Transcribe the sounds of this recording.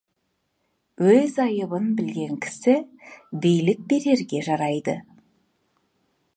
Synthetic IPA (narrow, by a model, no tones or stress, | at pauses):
wɵzɑjəbənbɪlɡʲe̞ŋkʲʰɪ̥sɪbejlɪk̚be̞ɾe̞ɾɡʲe̞ʒɑɾɑjd̪ə̰